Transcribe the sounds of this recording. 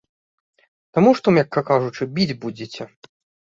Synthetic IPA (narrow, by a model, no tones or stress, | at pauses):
t̪amuʂt̪ɔmjʲakːɐkaʐut͡ʂɨbʲid͡zʲbud͡zʲet͡sʲɛ